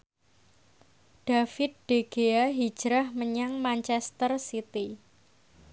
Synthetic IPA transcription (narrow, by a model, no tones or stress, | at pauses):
ɖ̥afɪt̪̚ɖ̥eɡ̥eaɦi̥d͡ʒ̥ɾahməɲaŋmant͡ʃɛst̪ərsit̪i